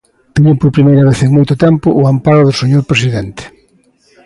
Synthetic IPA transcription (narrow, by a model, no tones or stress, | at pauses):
t̪eɲopoɾpɾimejɾɐβ̞eθeŋmojt̪ʊt̪ɛmpʊʔampaɾʊðʊseɲoɾpɾes̬iðɛnt̪ɪ̥